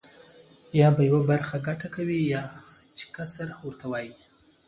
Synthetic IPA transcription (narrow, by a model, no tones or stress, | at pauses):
jɑbajawabaɾxaɡaʈakawijɑ | t͡ʃɪ̥kasaɾaxʊɾt̪ʰawɑji